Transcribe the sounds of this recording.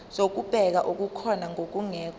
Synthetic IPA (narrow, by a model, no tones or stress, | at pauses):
zok̬ub̥ʱɛk̬aʔuk̬ukʰɔnaŋok̬uŋɛːk̬